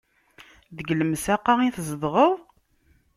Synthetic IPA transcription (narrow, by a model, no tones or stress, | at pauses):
ðəɡləmsaqːaiθzəðˤʁəðˤ